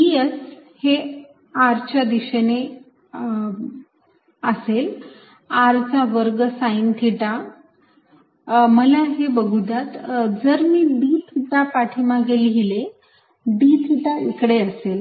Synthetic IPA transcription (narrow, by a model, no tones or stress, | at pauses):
iəshe | aɾt͡ɕad̪iɕene | əsel | aɾt͡saʋəɾɡəsaint̪ʰiʈa | məlaɦebəɡʱud̪at̪d͡zəɾmiːbiːt̪ʰiʈ̪apaʈʰimaɡelɡile | biːt̪ʰiʈ̪aikɽeəsel